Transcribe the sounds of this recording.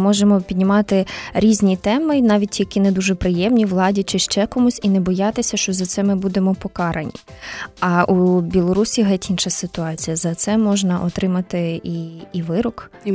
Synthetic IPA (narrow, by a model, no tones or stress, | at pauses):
mɔʒemɔpʲid̪ʲnʲɪmɑt̪ɪɾʲizʲnʲit̪ɛmɪnɑʋʲit̚ʲːikʲined̪uʒɛpɾɪjɛmnʲiʋlˠɑdʲit͡ʃɪʃt͡ʃɛkɔmusʲinɛbɔjɑt̪ɪsʲɐʃt͡ʃɔzɐt̪sɛmɪbud̪emɔpɔkɑɾɐnʲḭɐʔubʲilˠɔɾusʲiɦɛtʲinʃɐsɪt̪ʊɑt͡sʲijɐzɐt̪sɛmɔʒnɐʔɔt̪ɾɪmɐt̪ɪiiʋɪɾɔk